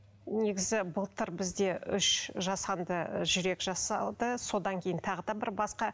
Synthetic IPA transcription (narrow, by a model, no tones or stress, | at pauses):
ne̞ɡʲɪzɪbʊlˠt̪ʰəɾbɪzd̪e̞ʔʏʃʒɑsɑnd̪əʒʏɾe̞kʒɑsɑlˠd̪əso̞d̪ɑŋkʲʰe̞jɪnt̪ʰɑʁəd̪ɑbɪɾbɑsqɑ